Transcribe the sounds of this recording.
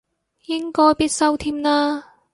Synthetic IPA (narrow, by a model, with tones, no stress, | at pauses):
jɪ˥ŋkɔː˧˥jpiː˥t̚sɐ˥wt̪ʰiː˥mnaː˧